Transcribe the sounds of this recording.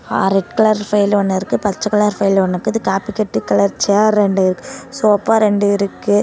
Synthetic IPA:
a̰ɾɛʈkɐlɐɾfɐɪlɔnːɐɪɾɯkːɯpɐt͡ʃːɐkɐlɐɾfɐjlɔnːɐkːɯðɯkaːpikɛʈːɯkːɐlɐɾt͡ʃeaːɾɾɛɳɖɯɪɾɯkːɯsoːɐpːaːɾɛɳɖɯɪɾɯkːɯ

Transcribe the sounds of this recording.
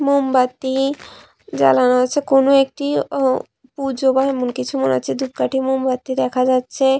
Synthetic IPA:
mombat̪ːi | d͡ʒa̰lanaɦot͡ʃʰekonoek̚ʈi | pud͡ʒobaɦemonkit͡ɕʰumona̰ːt͡ʃʰed̪up̚kaʈʰimombat̪ːid̪ɛkʰad͡ʑatːʰe

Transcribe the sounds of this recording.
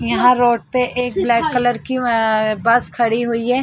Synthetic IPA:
jɐɦãɾoːʈ̚peʔeːk̚blɛːkːɐləɾkibɐskʰɐɽiɦuiɦɛː

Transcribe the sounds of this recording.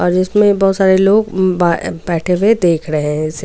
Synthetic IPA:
ɔːɾd͡ʒɪsmẽbɔːt̪saːɾeloːɡbabɛːʈʰewed̪eːkʰɾɐɦẽɪse

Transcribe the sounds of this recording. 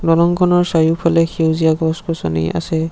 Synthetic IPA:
dɔlɔŋkʰɔnɔɹsajupʰalɛxewzijaɡɔskɔsɔnḭa̰sɛ

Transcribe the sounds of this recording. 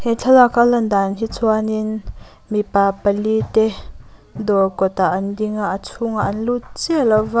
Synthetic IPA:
hɛt͡ɬʰɐlakʰalɐnd̪anɦit͡sʰuanin | mipapəlit̪ɛ | d̪ɔkɔt̪aʔɐndiŋaʔat͡sʰʊŋaʔɐnlut̪̚t͡sialava

